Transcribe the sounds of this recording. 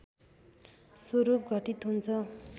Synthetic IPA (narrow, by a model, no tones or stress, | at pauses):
soɾup̚ɡʱʌʈit̪ɦunt͡sʰʌ